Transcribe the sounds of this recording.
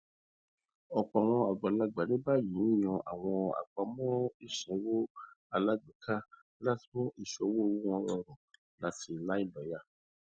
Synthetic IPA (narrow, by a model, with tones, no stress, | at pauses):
ɔ˨k͡pɔ˨a˨w̃ɔ̃˧a˨ɡ͡ba˨la˧ɡ͡ba˨nĩ˦ba˦˨jũ˨˦i˦˨j̃ɔ̃˧ʔa̰˨w̃ɔ̃˧a̰˨k͡pa˧mɔ̃˦i˦˨ʃĩ˨˦wo˦a˧la˦ɡ͡bi˨˦kʰa˦ | la˦˨ti˨˦mɔ̃˦ʔi˧˨ʃɔ˧˦wo˦˧wo˦w̃ɔ̃˧lɔ˧ɾ̃ɔ̃˨ | la˨˦ti˧˨la˦i˦˨ba˨˦ja˦˨